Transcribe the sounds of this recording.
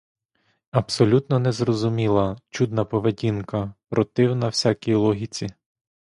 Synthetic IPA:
ɐbsɔlʲut̪nɔnɛzrɔzʊmʲilˠɐt͡ʃud̪nɐpɔʋedʲinkɐpɾɔt̪ɪwnɐwsʲakʲijlˠɔɦʲit͡sʲi

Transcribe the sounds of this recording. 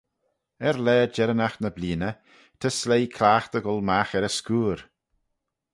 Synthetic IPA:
ɛɾlɛːd͡ʒɛɾənaxnəbliːnə | t̪ʰəslejkʰlaːxt̪əɡɔlˠmaxɛɾəskuːɾ

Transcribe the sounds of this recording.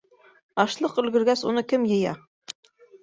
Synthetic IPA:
ɑʃlˠɤqɵ̆lɡɘ̆ɾɡæsunɤkɘmjɤ̆jɑ̰

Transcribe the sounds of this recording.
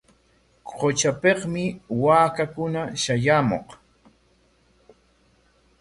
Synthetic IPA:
qot͡ʃapeqmɪwaːkakʊnaʃajamo̰q

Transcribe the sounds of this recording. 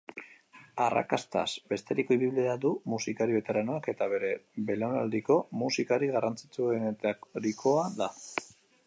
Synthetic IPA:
ara̰ka̰st̪a̰sbe̞st̪e̞ɾiko̞iβiβilead̪umusikaɾiβe̞t̪eɾanoake̞t̪aβe̞ɾe̞βe̞lona̰ld̪iko̞musikaɾiɣarant͡sit͡suenet̪aɾikʰo̞aða

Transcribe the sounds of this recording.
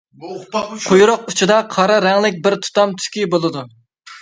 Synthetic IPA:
qʰʊjɾʊq̚ut͡ʃʰid̪ɑqʰɑɾɑɾɛŋlɪk̬̚ʲbɪɾt̪ʰu̥t̪ɑmt̪ʰy̥kʲibolˠɨd̪u

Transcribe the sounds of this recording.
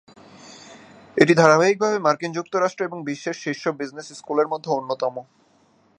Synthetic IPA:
eʈid̪ʱaɾabaik̚bʱabemaɾkind͡ʑuk̚t̪oɾaʃʈɾoeboŋbiʃːeʃʃeʃːobid͡ʑnesskuleɾmod̪ʱːeonːot̪ɔmo

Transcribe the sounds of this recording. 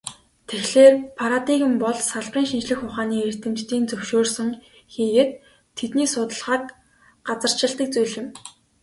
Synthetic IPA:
t̪ʰexɮeːrpʰaɾat̪iɣɘ̆mpɔɮsaɮpiːŋʃint͡ɕɮɘ̆xʊχaːniːer̥t̪ɘ̆mt͡ɕt̪iːnt͡sɵwʃoːrsɘ̆ŋ | xiːɣĕt̪ʰː | et̪niːsʊt̪ə̆ɮʁaːk | ɢat͡sə̆r̥t͡ɕɪ̆ɬt̪ə̆k̚t͡sujɮɪ̆m

